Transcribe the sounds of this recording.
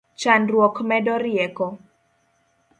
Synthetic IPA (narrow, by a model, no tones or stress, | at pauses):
t͡ʃanrwɔkmɛdɔɾɪjɛkɔ